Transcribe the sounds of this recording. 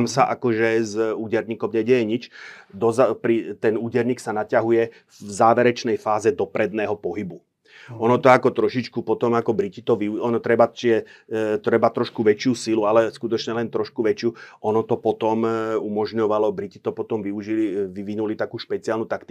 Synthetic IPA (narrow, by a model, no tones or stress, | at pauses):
msaʔakɔʒɛzuːɟɛɾɲiːkɔmɲɛɟɛjɛɲit͡ʃd̪ɔzpɾit̪ɛnuːɟɛɾɲiːksanacaɦujɛ | vzaːʋɛɾɛt͡ʃnɛjfaːzɛd̪ɔpɾɛd̪nɛːɦɔpɔɦibu | ɔnɔt̪ɔakɔt̪ɾɔʃit͡ʃkupɔt̪ɔmakɔbɾicit̪ɔʋiuɔnɔt̪ɾɛbat͡ʃiʒɛt̪ɾɛbat̪ɾɔʃkuʋɛt͡ʃɪuːsilualɛskut̪ɔt͡ʃɲɛlɛnt̪ɾɔʃkuʋɛt͡ʃɪuːʔɔnɔt̪ɔpɔt̪ɔmumɔʒɲɔʋalɔbɾicit̪ɔpɔt̪ɔmʋiuʒiliʋiʋinulit̪akuːʃpɛt͡siaːlnut̪akt̪i